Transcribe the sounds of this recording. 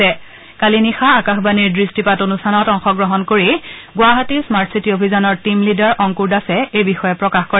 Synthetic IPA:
ɛ | kalinixaːkaxbaniɹdɹistipatonustʰanɔtɔŋxɔɡɹɔɦɔnkoɹiɡʊwaɦatismaɹtsitiobʱizɔnɔɹtimlidaɹʔɔŋkuɹdasɛejbixɔjɛpɹɔkaxkɔɹɛ

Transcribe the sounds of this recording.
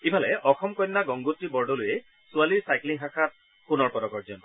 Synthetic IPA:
ibʱalɛʔɔxɔmkɔjnːaɡɔŋɡutɹibɔɹɖɔlʊjɛ | sʊaliɹsajkliŋɦaxat̚ | punɔɹpɔdɔkɔɹzɔntɔ

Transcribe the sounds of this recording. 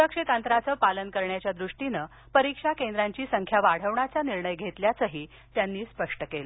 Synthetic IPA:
ɾəkʂit̪ant̪ɾat͡səːpalənkəɾɳjat͡ɕjad̪ɾuʂʈinə | pəɾikʂakend̪ɾaɲt͡ɕiːsəŋkʰjaʋaɽ̤əʋɳat͡saniɾɳəjɡʱet̪ljat͡səɦiː | t̪janːiːspəʂʈəkelə

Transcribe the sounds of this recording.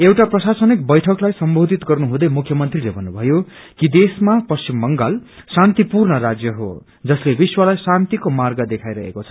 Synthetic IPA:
ewʈaprʌsasʌnik̚bʌjʈʰʌklajsʌmbʱod̪ʱit̪ɡʌrnuɦũd̪ʌjmukʰjʌmʌnt̪rilebʱʌnːubʱʌjo | kid̪esmapʌst͡simːʌŋɡalsant̪ipurnʌɾad͡zjʌɦo̰ | d͡zʌslebiswʌlajsant̪ikomarɡʌd̪ekʰajɾʌɦḛkot͡sʰʌ̥

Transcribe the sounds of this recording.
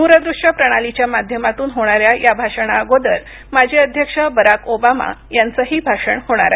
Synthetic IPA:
nuɾəd̪ɾuʂʈəpɾəɽ̃alit͡ɕjamad̪ʱjəmat̪uːnɦoɽ̃aɾjajabʱaʂəɽ̃aɡod̪əl | mad͡ʑʱeəd̪ʱjəkʂəbəɾakobama̰jant͡səɦiːbʱaʂəɳhoɽ̃a̰ɾa

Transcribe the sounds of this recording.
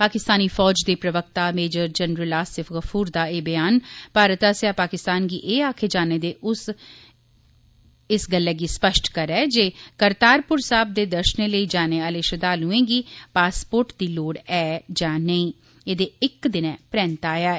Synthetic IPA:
paːkɪst̪aːniːfɔːd͡ʒd̪eːpɾəʋək̚t̪aːmeːd͡ʒəɾd͡ʒənɾəlaːsɪfɣəfʰuːɾd̪aːeːbɪjaːnpaːɾət̪aːsɪaːpaːkɪst̪aːnɡiːʔeːaːkʰeːd͡ʒaːneːd̪eːʔʊs | ɪsɡəlːɛːɡiːspəʃʈʰkəɾɛːd͡ʒeːkəɾt̪aːɾpʊɾsaːb̚d̪eːd̪əɾʃneːləiːd͡ʒaːneːaːleːʃəd̪aːlɦʊẽːɡiːpaːspoːɾʈd̪iːloːɽɛːd͡ʒãːnəĩː | eːd̪eːɪkd̪ɪnɛ̃ːpɾɛ̃ːnt̪aːjaː

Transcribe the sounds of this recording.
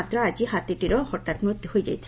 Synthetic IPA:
at̪ːɾoad͡ʑiɦat̪iʈiɾohɔʈːat̪mut̪ːihojed͡ʑa̰jt͡ɕʰ

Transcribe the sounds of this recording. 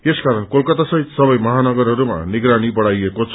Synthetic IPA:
eskaɾʌnkolkʌt̪asʌɦit̪sʌbʌjmʌɦanʌɡʌrɦʌɾuma̰niɡɾanibʌɽajekot͡sʰ

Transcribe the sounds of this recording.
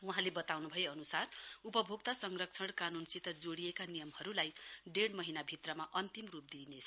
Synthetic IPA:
wuɦãlebʌt̪awnubʱʌjeʌnusarupʌbʱoɡ̚t̪asʌŋrʌk̚t͡sʰʌɽkanunsit̪ʌd͡zoɽijekanijʌmhʌɾulajɖeɽmʌɦinabʱit̪rʌmaʔʌnt̪imrup̚d̪inet͡sʰʌ

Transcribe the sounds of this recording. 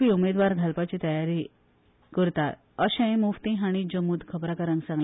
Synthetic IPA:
iumed̪ʋaɾd̪ʱalpat͡ɕiːt̪əjaɾi | kəɾt̪at̪̚ | əɕɛ̃muft̪iɦaɽ̃id͡ʑəmuːd̪kʰəbɾakəɾãŋɡsãŋɡl

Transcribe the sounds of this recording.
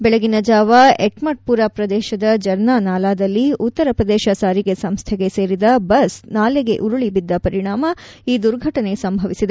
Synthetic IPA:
bɛɭɐɡinɐd͡ʒaːʋɐeʈmɐʈ̚puɾaːpɾɐd̪ɛːʃɐd̪ɐd͡ʒɐɾnaːnaːlaːd̪ɐlːiut̪ːɐɾɐpɾɐd̪ɛːʃɐsaːɾiɡe̞sɐmst̪ʰɛɡe̞se̞ːɾid̪ɐbɐsnaːleɡe̞ʔuɾuɭibid̪ːɐpɐɾiɳaːmɐiːd̪uɾɡʱɐʈɐne̞sɐmbʱɐʋisid̪e

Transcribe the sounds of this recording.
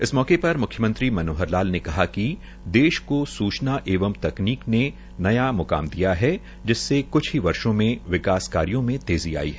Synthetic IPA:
ɪsmɔːkepɐɾmʊkʰjəmə̃nt̪ɾimɐnoːɦəɾlaːlnekɐɦaki | d̪eːʃkosuːt͡ʃnaʔeːʋəmt̪ɐkniːkne | nɐjamʊka̰ːmd̪ijaɦɛ | d͡ʒɪsːekʊt͡ʃʰɦiʋɐɾʃõmẽʋɪkaːskaːɾijõmẽt̪eːzia̰ːiɦɛ

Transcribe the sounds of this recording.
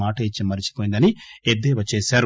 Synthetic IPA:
aːʈɐit͡ʃːimɐɾit͡ʃi̥poːjnd̪ɐnied̪eːʋɐt͡ʃːeːsaːɾu

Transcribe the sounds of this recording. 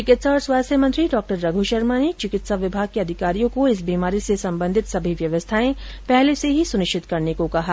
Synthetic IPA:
t͡ʃɪkɪt̪saɔːɾswaːst̪ʰjəmə̃nt̪ɾiɖɔːk̚ʈəɾːɐɡʱuʃɐɾmanet͡ʃɪkɪt̪saʋɪbʱaːɡ̚keɐd̪ʱɪkaːɾijõkoɪs̬biːmaːɾisesɐ̃mbə̃nd̪ʱɪt̪sɐbʱiʋjɐʋəst̪ʰaːẽpɛɦleseɦisʊnɪʃt͡ʃʰɪt̪kɐɾnekokɐɦa

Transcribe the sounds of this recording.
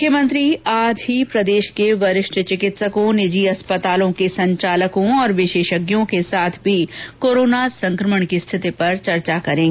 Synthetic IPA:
kʰːjəmə̃nt̪ɾiaːd͡ʒʱɦipɾɐd̪eːʃkeʋɐɾɪʃʈʰt͡ʃɪkɪt̪səkõnɪd͡ʒiɐspət̪aːlõkesɐ̃ɲt͡ʃaːləkõɔːɾʋɪʃeːʃəɡjõkesaːt̪ʰbʱikoːɾoːnasɐ̃ŋkɾəməɳ̃kist̪ʰɪt̪ipɐɾt͡ʃɐɾt͡ʃakɐɾẽːŋɡe

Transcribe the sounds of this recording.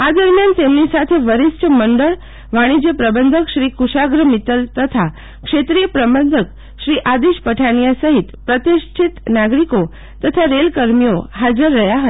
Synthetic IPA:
ad̪əɾmjant̪emnisat̪ʰeʋəɾist͡ʃəməɳɖəɭ | ʋaɽ̃id͡ʒepɾəbənd̪ʱəkʃɾikuʃaɡɾəmit̪əlt̪ət̪ʰa | kʂet̪ɾijəpɾəbənd̪ʱək | ʃɾiʔad̪iʃpəʈʰañijasəɦit̪pɾət̪iʃt͡ʃʰit̪naɡɾiko | t̪ət̪ʰaɾelkəɾmijoɦad͡ʒəɾːəjaɦət̪

